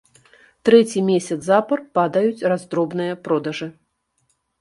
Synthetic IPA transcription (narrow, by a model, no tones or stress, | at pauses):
t̪ɾɛt͡sʲimʲesʲɐt̪zapɐrpad̪ɐjut͡sʲrazd̪ɾɔbnɨjɐpɾɔd̪ɐʐɨ